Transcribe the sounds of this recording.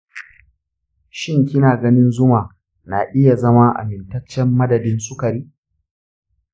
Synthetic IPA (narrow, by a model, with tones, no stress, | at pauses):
ʃɪ˦ŋkʲɪ˦naː˨ɡɐ˦nɪ˦nzʊ˦maː˨ | na˨ʔɪ˦ja˨zɐ˦ma˦ʔa̰˨mɪ˨ntɐ˦t͡ʃːɛ˦mːɐ˦dɐ˨dɪ˦nsʼʊ˦kɐ˨ɾiː˦